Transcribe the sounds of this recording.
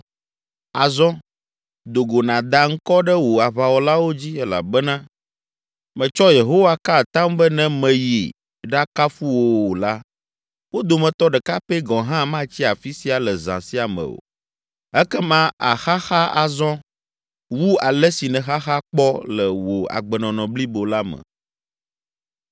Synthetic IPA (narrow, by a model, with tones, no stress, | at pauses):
a˨zɔ̃˦ | d̪o˨ɡo˨nã˨d̪a˨ŋ̩˦kɔ˦ɖɛ˦wo˨a˨βa˨wɔ˨la˦wo˦d͡ʑi˦ɛ˦la̰˨bɛ˦nã˦ | mɛ̃˨t͡ʃɔ˦je˨ɦo˦wa˦ka˦˨t̪ã˦mbə˦nɛ̃˦mɛ̃˨ji˨ | ɖa˦ka˦fu˦wo˦˨wo˨la˦ | wo˦d̪o˨mɛ̃˨t̪ɔ˦ɖɛ˨ka˦pe˦ɡɔ̃˨ɦã˦mã˦t͡ɕi˦a˨fi˦si˦a˨lɛ˨zã̰˨si˦a˨mɛ̰̃˨o̰˨ | ɛ˦kɛ˦mã˦a˨xa˦xa˦a˨zɔ̃˦ | wu˦a˨lɛ˦si˨nɛ̃˨xa˦xa˦k͡pɔ˦lɛ˨wo˨a̰˨ɡ͡bɛ˨nɔ̃˨nɔ̃˨bli˦bo˨la˦mə̰˨